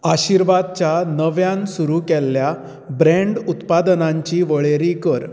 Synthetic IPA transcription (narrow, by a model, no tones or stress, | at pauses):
aɕiːɾʋad̪̚t͡ɕjanəʋjãnsuɾukɛlːja | bɾɛ̃ɳɖut̪pad̪naɲt͡ɕiːʋəɭeɾikəɾ